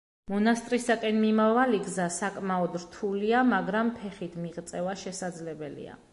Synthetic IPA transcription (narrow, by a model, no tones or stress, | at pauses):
mɔnast̪ʼɾisakʼɛnmimavaliɡzasakʼmaɔd̪ɾt̪ʰuliamaɡɾampʰɛχit̪ʰmiʁt̪sʼɛvaʃɛsad̪zlɛbɛlḭa̰